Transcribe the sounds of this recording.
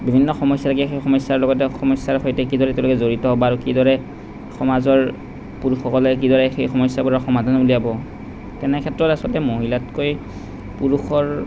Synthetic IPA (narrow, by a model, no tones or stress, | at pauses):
bibʱinːɔxɔmɔsːatʰakixejxɔmɔjsːaɹlɔɡɔtɛxɔmɔsːaɹxojtɛkidɔɹɛtɛ̃lɔkɛzoɹitɔɦɔbɔaɹukidɔɹɛ | xɔmazɔɹ | puɹuxɔkɔlɛk̬idɔɹɛxejxɔmɔjsjabɔɹaxɔmadʱanɔbuliabɔ | tɛnɛkʰɛtːɹɔtasɔltɛmoɦilatkoj | puɹuxɔɹ